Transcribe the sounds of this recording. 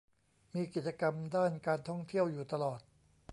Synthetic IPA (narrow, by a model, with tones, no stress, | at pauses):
miː˧ki˨˩t̪̚t͡ɕa˧ka˧mdaː˥˩nkaː˧nt̪ʰɔ˥˩ŋt̪ʰi˥˩əwjuː˨˩t̪a˧lɔː˨˩t̪̚